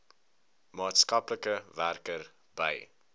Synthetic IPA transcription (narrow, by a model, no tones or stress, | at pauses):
mɑːtskɐpləkəværkər | bəj